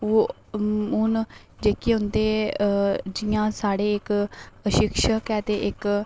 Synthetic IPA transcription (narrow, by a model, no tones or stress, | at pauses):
oː | ɦʊn | d͡ʒeːkiːɦʊ̃nd̪eː | d͡ʒɪjãːsaːɽeːɪkʃɪkʃəkɛːt̪eːʔɪk